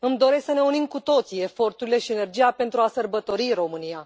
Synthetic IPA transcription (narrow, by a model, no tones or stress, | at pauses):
ɨmd̪o̞ɾe̞sksəne̞unimkut̪o̞t̪sie̞fo̞rt̪uɾile̞ʃiene̞rd͡ʒijape̞nt̪ɾuasərbət̪o̞ɾiɾo̞mɨnija